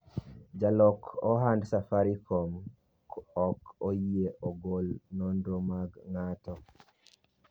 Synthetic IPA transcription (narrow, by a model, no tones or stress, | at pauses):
d͡ʒalɔkɔɦandsafaɾikʰɔm | kɔkojeʔɔɡolnɔndomaɡŋatɔ